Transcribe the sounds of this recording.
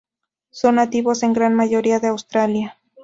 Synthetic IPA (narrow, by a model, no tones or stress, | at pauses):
so̞nːat̪iβo̞se̞ŋɡɾanmaʝo̞ɾiaðeawst̪ɾalja